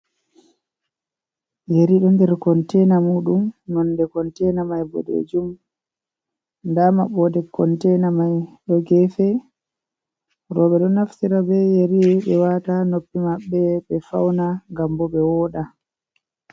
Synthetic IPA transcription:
jeɾiɗɔndɛɾkɔntɛnamuːɗumnɔndɛkɔntɛnamajbɔ̰dḛd͡ʒum | ndama̰ɓɔdɛkːɔntɛnamajɗɔɡɛfɛ | ɾɔɓɛɗɔnaftiɾabɛjeɾiɓɛwatanopːimaɓːɛɓɛfa̰wnaŋɡambɔɓɛwɔːɗa

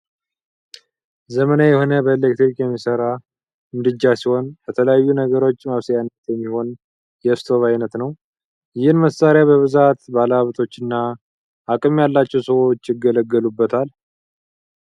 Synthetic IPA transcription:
zəmənajɛho̞nəbəlek̚t̪ɾikʼjɛmːisəɾa | mɨd̪ɨd͡ʒːasiho̞nbət̪ʰələjajːunəɡəɾo̞t͡ʃːmaβsəjanːət̪jɛmːiho̞n | jɛst̪ʰo̞βajnət̪nəw | jɪhɨnməsaɾjabəβɨzat̪balaβt̪ʰʼo̞t͡ʃːɨnːaː | kʼɨmjalːat͡ʃːɛwsəwo̞t͡ʃːjɪɡələɡːəlubːət̪ʰal

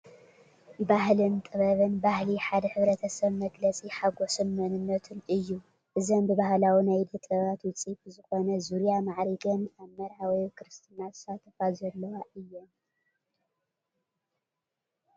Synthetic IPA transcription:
baɦlɨnt̪ʼɨβɐβɨnbahliħad̪ɐħɨβɾɐt̪ʰɐsɐβmɐɡlɐt͡sʼiħaɡosɨnmɐnɨnːɐt̪ʰɨnʔɨjːu | ʔɨzombɨβahlawinajd̪ɐt̪ʼɐβat̪wɨt͡sʼifzɨxo̞nɐzuɾjamaʕɾiɡɐnaβmɐɾawɔjkʰɨɾɨst̪ʰinat̪ɨ̥sat̪ʰːɐfazɐlːɐwaʔɨjːɛn

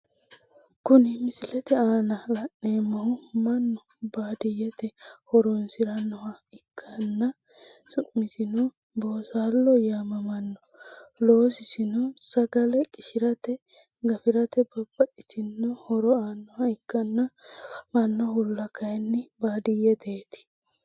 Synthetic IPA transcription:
kʊnɪmɪsɪlɛt̪ɛaːnɐlɐnːeːmːɔhʊmɐnːɔ | baːd̪ɪjɛt̪ɛhɔɾɔnsɪɾɐnːɔhɐɪkʰːɐnːɐ | sʊʔmːɪsɪnɔ | boːsaːlːɔjaːmɐmɐnːɔ | lo̞ːsɪsɪnɔsɐɡɐlɛkʼɪʃɪɾɐt̪ɛ | ɡɐfɪɾɐt̪ɛbɐbːɐɗɪsɪnːɔhɔɾɔaːnːɔhɐɪkːɐnːɐmɐnːɔhʊlːɐkɐjnːɛbaːd̪ɪjɛt̪ʰeːt̪ɪ̥

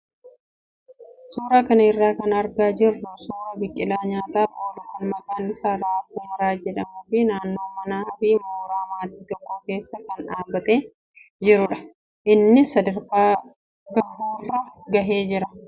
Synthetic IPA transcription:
suːɾaːkɐnɐɪrːaːkɐnɐɾɡaːd͡ʒɪrːʊsuːɾɐbɪkʼːɪlaːɲaːt̪aːfoːlɐkɐnmɐkʼaːnɪsaːɾaːfuːmɐɾaːd͡ʒɛᶑɐmʊfɪnaːnːo̞ːmɐnaːhɐbiːmoːɾaːmaːt̪iːt̪ɔkːɐke̞ːsːɐkɐnᶑaːbːɐt̪ʼeː | d͡ʒɪɾʊᶑɐ̥ | ʔɪnːɪsɐd̪ɐɾkaː | ɡɐhuːrːɐɡɐɦeːd͡ʒɪɾɐ

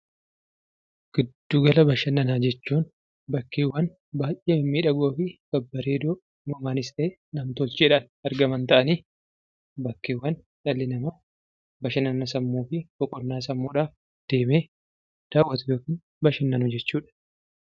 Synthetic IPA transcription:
ɡ̥ɪd̪ːuːɡɐlɐbɐʃɐnːɐnaːd͡ʒɛt͡ʃːuːn | bɐkːeːwːɐn | baːjʔeːmːiːᶑɐɡo̞ːfɪɡ̥ɐbːɐɾeːd̪oː | mɐmaːnɪst̪ʼeː | nɐmt̪ɔlt͡ʃɪᶑɐn | ɐɾɡɐmɐnt̪ɐʔɐniː | bɐkːeːwːɐn | ᶑɐlːɪnɐmɐ | bɐʃɐnɐnɐsɐmːuːfɪkɔkʼɔnːaːsɐmːuːᶑaːf | d̪̥e̞ːmeː | d̪̥aːwːɐt̪ɐjoːkɪːn | bɐʃɐnːɐnʊd͡ʒɛt͡ʃːuːᶑɐ̥

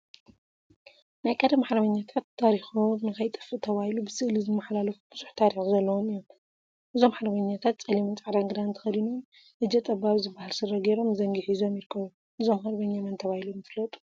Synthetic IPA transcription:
najkʼɐd̪ɐmaħɾɐβɐɲːat̪ʰat̪ʰːaɾixumɨkajt̪ʼɨ̥fɨʔt̪ʰɐβahilubɨsɨʔlizɨmːaħlalɐfu̥b̥ɨz̥uħt̪ʰaɾixuzɐlːɐwomɨjːom | ʔɨzo̞maħɾɐβɐɲːat̪ʰat̪̚t͡sʼɐlimɐnt͡sʼaʕɾaŋɡɨd̪ant̪ʰɐ̥xɐd̪inu | ʔɨd͡ʒɛt̪ʼɐbaβzɨbːahalsɨrɐɡeɾo̞mzɐŋɡɨħizo̞mjɪɾɨkʰːɐβu | ʔɨzo̞mxɐɾβɐɲːamɐnt̪ʰɐβahilumɨflɐt̪ʼu̥

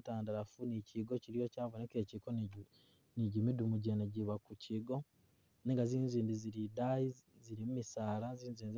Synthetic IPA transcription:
taːndaɾafunicʰiɡo̞ciɾijo̞caːvonekeːcikon | niɟimidumuɟeːnaɟiβakucʰiɡo̞ | neŋɡaziːnziːndiziɾidaiziɾimumisaːlaziːnziːndiz

